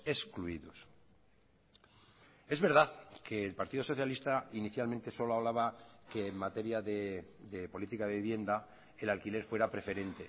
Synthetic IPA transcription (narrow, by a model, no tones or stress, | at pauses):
e̞skluiðos | e̞zβe̞ɾð̞aðkeːlpaɾt̪iðoso̞θjalist̪ainiθjalment̪e̞so̞loaβ̞laβakeːmmat̪e̞ɾjaðed̪epo̞lit̪ikaðeβiβje̞nd̪a | elalkile̞ɾfweɾapɾe̞fe̞ɾe̞nt̪e